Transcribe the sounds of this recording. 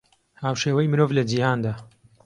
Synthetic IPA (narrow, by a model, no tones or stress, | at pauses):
haːwʃeːwɐjmɨɾovlɐd͡ʒihaːnd̪aː